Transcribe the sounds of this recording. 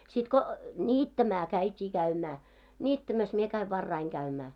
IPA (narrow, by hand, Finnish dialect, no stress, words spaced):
sit ko nʲiːtːæmæ kæitʲiː kæymæː nʲiːtːæmæs mie kæi ʋɑrːɑiŋ kæymæː